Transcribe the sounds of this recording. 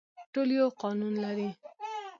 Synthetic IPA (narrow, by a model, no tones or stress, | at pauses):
ʈolijoqɔnunlaɾi